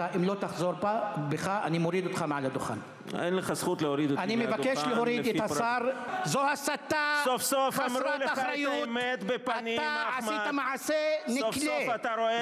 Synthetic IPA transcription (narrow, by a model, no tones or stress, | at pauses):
aʔimlo̞t̪aχzoɾbabeχaʔanimoɾid̪ot̪χameʕalad̪oχa̰n | ḛnleχasχut̪lehoɾid̪eanimevakeʃleɦoɾidethasaɾzohasat̪ːasofsofasɾɾolaɾajomet̪bepaaniaʕasit̪amaʕasenikleat̪aɾoe